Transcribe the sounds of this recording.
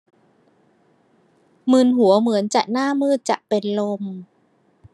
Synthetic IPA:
mɯ˧˩nɦu˩˦ɐmɯ˩˦ənt͡ɕa˨˩ʔnaː˥˩mɯː˥˩t̪̚t͡ɕa˨˩ʔpe˧nlo˧m

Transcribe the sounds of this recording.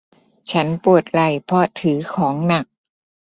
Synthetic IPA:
t͡ɕʰa˦˥npu˨˩ət̪̚ɾa˨˩jpʰɔ˧t̪ʰɯː˩˦kʰɔː˩˦ŋna˨˩k̚

